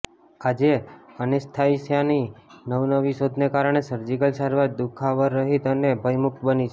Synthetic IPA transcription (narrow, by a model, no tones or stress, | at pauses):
ad͡ʒeənest̪ʰaisjaninəʋnəʋiʃod̪ʱnekaɾəɳ̃esəɾd͡ʒikəlsaɾʋaɾd̪ukʰaʋəɾːəɦit̪ənebʱəjmuk̚t̪bənit͡ʃʰe